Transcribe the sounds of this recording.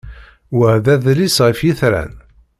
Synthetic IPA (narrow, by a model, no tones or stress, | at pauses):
wəʕðæðlisʁəfjiθɾæ̰n